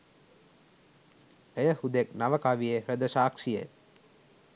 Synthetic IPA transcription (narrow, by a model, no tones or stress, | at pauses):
ejəhud̪eknaʋəkaʋijehɾəd̪əʃaːkʂijḛ